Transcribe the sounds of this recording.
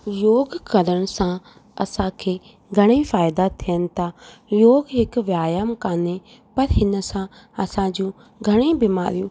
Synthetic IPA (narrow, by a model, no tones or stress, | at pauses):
joːɡkɐləɽ̃sã | ɐsãkʰeː | ɡʱɐɽ̃ifaːɪd̪at̪ʰijənɪ̆t̪ʰajoːɡɦɪkʋjaːjamkaːne | pɐɾɦɪnəsã | ɐsãd͡ʑũ | ɡʱɐɽ̃ibɪmaːɾijũː